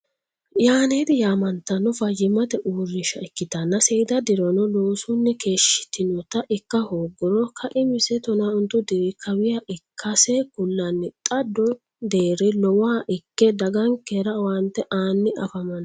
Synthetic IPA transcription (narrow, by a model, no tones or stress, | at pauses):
jaːneːd̪ɪjaːmɐnt̪ːɐnːɔfɐjɪmɐt̪ɛʔuːrːɪʃɐɪkːɪt̪ɐnːɐsɛd̪ɐd̪ɪɾɔnɔloːsʊnːɛke̞ːʃɪ̥t̪ːɪnɔt̪ɐʔɪkːɐhoːɡɔɾɔkʰɐʔɪmɪsɛt̪ɔnaʊnt̪ːʊd̪ɪɾɪkʰːɐwɪjaʔɪkʰːɐsekʊlːɐnːɪt̪ʼɐd̪ɔ | d̪eːɾɛlɔwaːʔɪkːɛd̪ɐɡɐŋkːeɾɐwɐnt̪ːɛʔaːnːɪɐfɐmɐn